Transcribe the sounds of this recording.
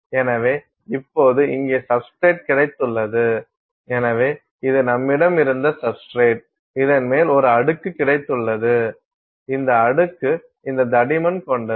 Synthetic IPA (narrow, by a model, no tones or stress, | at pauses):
ɛnɐʋeː | ɪpːoːðɯɪŋɡeːsɐbskɾeːʈ̚kɪɽɐɪt̪ːɯɭːɐðɯ | ɛnɐʋeː | ɪðɯnɐmːɪɽɐmɪɾɯnd̪ɐsɐpskɾeːʈ̚ | ɪðɐnmeːlɔɾɯɐɽɯkːɯkːɪɽɐɪt̪ːɯɭːɐðɯ | ɪnd̪ɐːɽɯkːɯ | ɪnd̪ɐd̪ɐɽɪmɐnkɔɳɖɐ